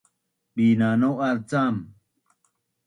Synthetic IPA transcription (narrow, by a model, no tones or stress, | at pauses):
biːnaːnoɐɾt͡saːm